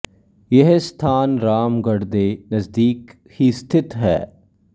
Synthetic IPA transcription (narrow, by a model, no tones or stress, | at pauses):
jeɦst̪ʰaːnɾaːmɡɐɽd̪eːnɐzd̪iːk | hist̪ʰɪt̪ɦɛ̰ː